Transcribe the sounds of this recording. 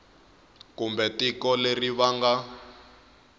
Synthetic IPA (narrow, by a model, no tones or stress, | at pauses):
kumbɛtikɔleriβaŋɡa